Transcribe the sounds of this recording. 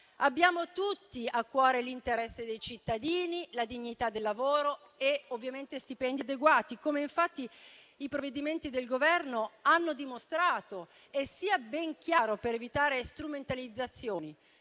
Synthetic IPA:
abːjaːmot̪ut̪ːiakːwɔːɾelint̪eɾɛsːed̪ejt͡ʃit̪ːad̪iːnilad̪iɲːit̪ad̪ːelːavoːɾo | eovːjament̪est̪ipɛnd̪iad̪eɡwaːt̪ikomeiɱfat̪ːiː | pɾovːed̪iment̪id̪elɡovɛrnoanːod̪imost̪ɾaːt̪o | esːiːabɛŋk̟jaːɾopeɾevit̪aːɾest̪ɾument̪alid̪zat̪sːjoːni

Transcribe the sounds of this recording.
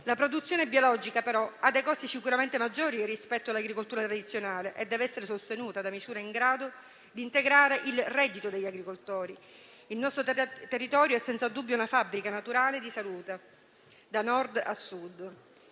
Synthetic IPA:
lapɾod̪ut̪sːjoːnebjiolɔd͡ʒikapeɾɔad̪ːejkɔsisikuɾament̪emad͡ʒːoːɾirispɛt̪ːoalːaɡɾikolt̪uɾat̪ɾad̪it̪sjonaːleʔed̪ːɛːveɛsːeɾesost̪enuːt̪ad̪amisuːɾaiŋɡɾaːd̪o | d̪iːnt̪eɡɾaːɾeʔilrɛd̪ːit̪od̪eʎːaɡɾikolt̪oːɾi | ilnɔst̪ɾot̪erːit̪ɔːɾjoɛsːɛnt̪sad̪ubːjounafabːɾikanat̪uɾaːled̪isaluːt̪e | d̪anɔrd̪a̰sːud̪ː

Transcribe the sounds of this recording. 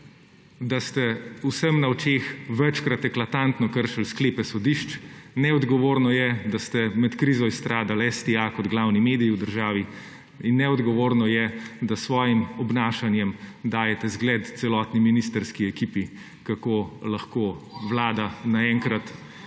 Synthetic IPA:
d̪ast̪ɛusəmnaɔt͡ʃeːxʋɛt͡ʃkɾat̪ɛklat̪ant̪nɔkəɾʃalskleːpɛsɔd̪iʃt͡ʃnɛɔd̪ɡɔʋoːɾnɔjɛd̪ast̪ɛmɛt̪kɾizɔist̪ɾaːd̪alɛst̪iakɔd̪ɡlaːwnimeːd̪ijiwd̪əɾʒaːʋi | inːɛɔd̪ɡɔʋoːɾnɔjɛd̪asʋɔːjimɔbnaːʃanjɛmd̪aːjɛt̪ɛzɡlɛt̪t̪sɛlɔːt̪niminist̪əɾskiɛkipi | kakoːlaxkoːʋlaːd̪anaɛŋkɾat̪

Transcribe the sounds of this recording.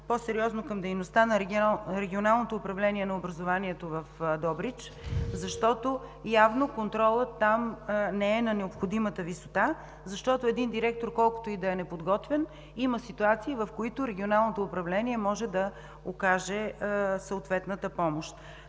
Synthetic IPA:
posɛɾiɔznokɐmd̪ɛjnost̪anɐɾɾɛɡʲionalˠnot̪oːpɾɐvlɛniɛnɐobɾɐzovaniɛt̪ovɐfd̪ɔbɾit͡ʃ | zɐʃt̪ɔt̪ojavnokont̪ɾɔlˠət̪ːamnɛɛnɐnɛopxod̪imət̪əvisot̪a | zɐʃt̪ɔt̪oɛd̪ind̪iɾɛk̚t̪oɾkɔlˠkʊ̥t̪oid̪ɐɛnɛpod̪ɡɔt̪vɛn | iməsit̪uat̪siːvɐfkoit̪ʊɾɛɡʲionalˠnot̪oːpɾɐvlɛniɛmɔʒɛd̪ɐ | okaʒɛsɐot̪vɛt̪nət̪əpɔmoʃt̪

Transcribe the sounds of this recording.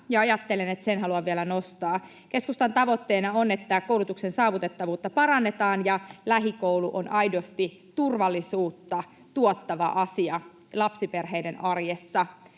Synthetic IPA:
jɑɑjɑt̪ːelenet̪senɦɑluɑʋʋiælænost̪ɑː | ke̞skust̪ɑnt̪ɑʋo̞t̪ːeːnɑone̞t̪ːækoulut̪uksensɑːʋut̪e̞t̪ːɑʋuːt̪ːɑpɑɾɑnːet̪ɑːnjɑlæɦikoulṵʔo̰nʔɑidost̪i | t̪urʋɑlːˑisuːt̪ːɑ | t̪uot̪ːɑʋɑʔɑsiɑ | lɑpsiperɦeidenʔɑrjesːɑ

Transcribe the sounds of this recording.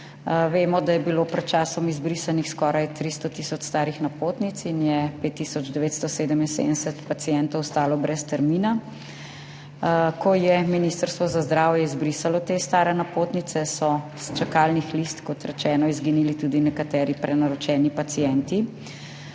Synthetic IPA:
ʋeːmɔd̪ajɛbilopɾɛt̪̚t͡ʃaːsɔmizbɾiːsanixskɔːɾajt̪ɾist̪ɔt̪iːsɔt͡ʃst̪aːɾixnapoːt̪nit̪sinjɛpet̪ːisɔd͡ʒd̪ɛʋeːt̪st̪ɔseːd̪əminsḛd̪ənsɛt̪pat̪sijɛnt̪ɔwst̪aːlɔbɾɛst̪ɛɾmiːna | kʰɔjɛminist̪əɾst̪ʋɔzazd̪ɾaːwjɛizbɾisalɔt̪est̪aːɾɛnapoːt̪nit̪sɛsɔ | st͡ʃakalnixlist̪kɔt̪ɾɛt͡ʃɛːnɔizɡinilit̪ud̪inɛkat̪ɛːɾipɾɛnaɾɔt͡ʃɛːnipat̪sijɛnt̪i

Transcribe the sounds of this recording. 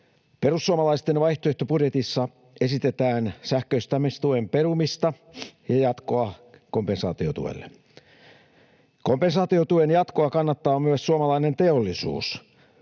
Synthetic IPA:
pe̞rusːuomɑlɑist̪enʋɑjht̪oeht̪opudjet̪isːɑ | esit̪et̪æːnsæhkøist̪æmːest̪uemperumist̪ɑ | jɑjɑt̪koɑkompensɑ̰ːt̪iot̪ṵʋḛlːḛ | kompensɑːt̪iot̪uenjɑt̪koɑkɑnːɑt̪ːɑːmyæssuomɑlɑinent̪e̞olːisṵːs

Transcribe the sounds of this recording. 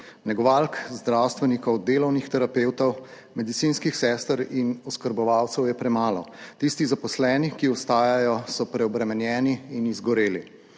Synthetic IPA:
nɛɡɔʋaːlkzd̪ɾawst̪ʋɛnikɔwd̪eːlɔwnixt̪ɛɾapeːwt̪ɔw | mɛd̪it̪siːnskixsɛst̪əɾinɔskəɾbɔʋaːwt̪sɛwjɛpɾɛmaːlɔt̪ist̪izapɔslɛːnikiɔst̪aːjajɔsɔpɾɛɔbɾɛmɛnjɛːniːnizɡɔɾeːli

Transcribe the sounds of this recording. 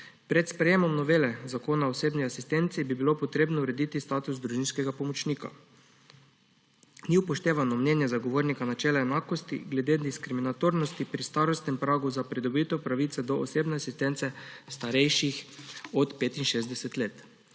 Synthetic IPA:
pɾɛt̪spɾɛjeːmɔmnɔʋeːlɛzakoːnaoseːbniasist̪ɛnt̪sibibilopɔt̪ɾeːbnɔuɾɛd̪iːt̪ist̪aːt̪uzd̪ɾuʒinskɛɡapɔmɔt͡ʃniːka̰ | niuwpɔʃt̪eːʋanɔmnɛnjɛzaɡoʋoːɾnikanat͡ʃɛːlaɛnaːkɔst̪ḭɡlɛd̪eːd̪iskɾiminat̪oːɾnɔst̪ipɾist̪aːɾɔst̪nɛmpɾaːɡuzapɾid̪ɔbit̪ɛwpɾaʋit̪sɛd̪ɔʔoseːbnɛasist̪ɛnt̪sɛst̪aɾɛjʃixɔt̪peːt̪inʃeːzd̪ɛsɛt̪leːt̪

